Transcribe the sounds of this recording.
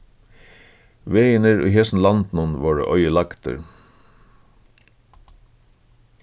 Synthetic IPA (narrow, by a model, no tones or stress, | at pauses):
ʋeɪənəɹy̰ːhɛsn̩lɑnt̪nɔnʋoːɹə̰ʔœʏəlɑkt̪ə̰ɾ